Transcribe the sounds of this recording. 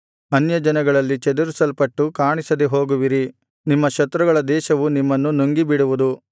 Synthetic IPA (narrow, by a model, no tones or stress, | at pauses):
ɐnjɐd͡ʒɐnɐɡɐɭɐlːit͡ʃɛd̪uɾusɐlpɐʈːukaːɳisɐd̪eɦo̞ːɡuʋiɾi | nimːɐʃɐt̪ːɾuɡɐɭɐd̪ɛːʃɐʋunimːɐnːunuŋɡibiɽuʋud̪u